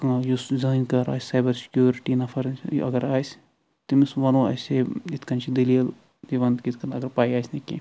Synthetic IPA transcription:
kãjuszaːinkɐɾa̰ːsʲːaːjbɐɾsi̥kjuːɾiʈinɐfʰɐɾn̰ʔɐ̰ɡɐɾaːjs | t̪imisʋɐnõɐ̰seit̪kɐnt͡ʃʰid̪ilijɐl | d̪iʋɐnd̪kit̪ʰkɐnɐɡɐɾpaːiaːjsʲnikḭ

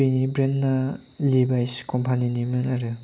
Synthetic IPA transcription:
inibɾenːalibajskɔmpʰaninimɯnaɾɯ

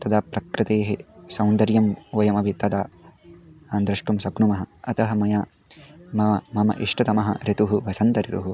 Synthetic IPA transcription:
t̪ɐd̪aːpɾɐkɾɪt̪eːɦesɐ̃wnd̪ɐɾjɐmʋɐjɐmɐbʱit̪ɐd̪aː | aːnd̪ɾɐʂʈumsɐɡɳumɐɦɐ̆ɐt̪ɐɦɐmɐjaː | mɐɐmɐmɐ̰ʔiʂʈɐt̪ɐmɐɦɐ̰ɾit̪uɦuʋɐsɐnt̪ɐɾit̪uɦu

